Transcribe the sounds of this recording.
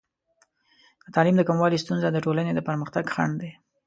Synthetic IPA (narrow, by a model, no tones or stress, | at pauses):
d̪̥ət̪ɑlimd̪əkamwɑlist̪unzad̪əʈolaned̪əpəɾməxt̪aɡxa̰ɳd̪e